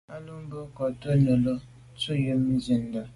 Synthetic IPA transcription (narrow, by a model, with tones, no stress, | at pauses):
a˦lu˦m˦bə˦kɔ˨to˦nə˨lo˦ | t͡su˦jə˦m˦zi˦n˦da˨